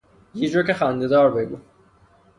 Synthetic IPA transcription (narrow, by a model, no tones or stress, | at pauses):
jid͡ʒocexænd̪ed̪ɒːɾbeɡṵ